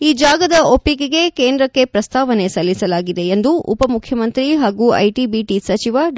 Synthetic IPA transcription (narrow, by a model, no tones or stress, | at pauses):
iːd͡ʒaːɡɐd̪ɐopːikeɡe̞keːnd̪ɾɐkːe̞pɾɐst̪ʰaːʋɐne̞sɐlːisɐlaːɡid̪e̞ːnd̪uʔṵpɐmukʰjɐmɐnt̪ɾiɦaːɡuɐ̰jʈiːbiʈisɐt͡ʃiʋɐ